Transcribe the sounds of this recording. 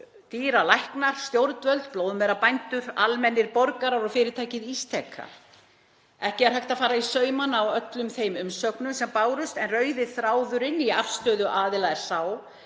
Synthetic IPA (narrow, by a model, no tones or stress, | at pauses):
t̪iːɾalajhknaɾ̥st̪jowɾt̪vœlt̪̚ploːwðʏmɛɾapajnt̪ʏɾalmɛnːɪɾpɔɾkaɾaɾɔɣfɪːɾɪɾt̪ʰaːjcɪðist̪ʰɛkʰːa̰ɾ̥ | ɛhcɪaɾ̥ɦajht̪afaːɾaisœːɥmanawœt̪lʏmθejmʏmsœknʏmsɛmpaːwɾʏst̪ɛnrœːɥðɪθɾaːwðʏɾɪnːiafst̪œːðʏʔaːðɪlaðɛɾ̥saːw